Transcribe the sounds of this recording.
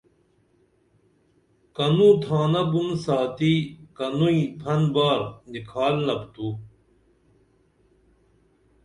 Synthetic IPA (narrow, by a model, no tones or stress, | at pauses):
kɐnũːt̪ʰaːnɐbunsaːt̪ikɐnuĩpʰɐnbaːɾnikʰaːlnɐbt̪u